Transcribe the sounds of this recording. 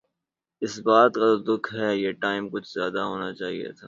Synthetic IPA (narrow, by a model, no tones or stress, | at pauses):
ɪsbaːt̪kat̪oːd̪ʊkʰɦɛjeːʈaːɪmkʊt͡ʃʰz̥jaːd̪aɦoːnat͡ʃaːɦḭḛt̪ʰaː